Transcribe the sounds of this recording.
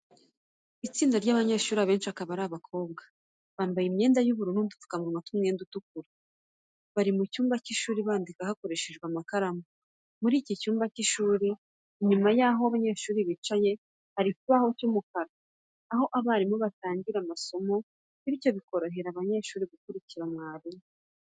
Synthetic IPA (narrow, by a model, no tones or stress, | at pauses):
it͡siːndaɾɟaːβaɲe̞ːʃuːɾiaβe̞ːnʃiakaβaɾaβakʰo̞ːb̚ɡa | βaːmbajimɲe̞ːndajuβuɾundundu̥t͡su̥kamuɾumatumŋeːndutuk̚uɾa | βaɾimucuːmbaciʃuːɾiβaːndikahakoɾe̞ʃe̞ʒɡwamakaɾamo | muɾiːcicuːmbaciʃuːɾi | iɲumajaɦoaβaɲe̞ːʃuːɾiβit͡ʃaje̞ | haɾikuβaho̞cumukaɾaː | ɦo̞ʔaβaɾimuβataːɲɟiɾamaso̞mo̞ | iβijo̞βiko̞ɾo̞ɦe̞ɾaβaɲe̞ːʃuːɾiɡukuɾiciɾamŋaːβije